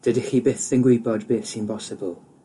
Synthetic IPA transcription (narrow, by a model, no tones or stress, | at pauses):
d̥ədɪχibɪθðənɡwɪbɔdbɪθsimpʰɔsɪbəlˠ